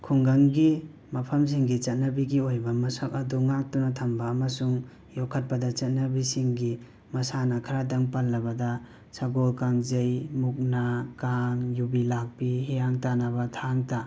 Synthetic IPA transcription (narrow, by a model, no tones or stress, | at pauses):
kʰuŋɡɐŋɡi | mɐpʰɐms̬iŋɡit͡ʃɐt̚nɐbiɡiojbɐmɐsak̚ɐduŋak̚tunatʰɐmbɐːmɐsuŋ | jɔkʰɐt̚pɐdɐt͡ʃɐt̚nɐbisiŋɡi | mɐsanɐkʰɐɾadɐŋpalːɐbɐda | saɡolkaŋzejmuk̚nakaŋjubilak̚piɦejaŋtanaβɐtʰaŋta